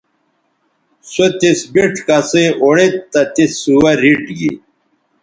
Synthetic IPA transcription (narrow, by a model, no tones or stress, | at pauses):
sot̪isbiʈʰkaseʔoɽet̪ːɐt̪isuwɐɾiʈɡḭ